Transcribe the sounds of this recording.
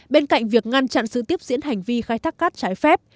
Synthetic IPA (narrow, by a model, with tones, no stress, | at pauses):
ɓe˧nka̰˧˨jŋ̟vi˨˩ək̚ŋa˧nt͡ɕa̰˧˨nsɨ̰˧˨t̪i˦˥əp̚zḭ˧˥ənɦa˨˩jŋ̟vi˧xaː˧jt̪ʰaː˦˥k̚ːaː˦˥t̚t͡ɕaː˨˦jfɛ˦˥p̚